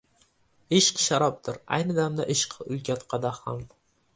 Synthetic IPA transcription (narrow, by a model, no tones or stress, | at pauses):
ɪʃqʃaɾɒp̚d̪ɪɾa̰jnɪd̪amd̪a̰ʔɪʃqʰʊlˠkʲʰat̪qʰɑd̪aham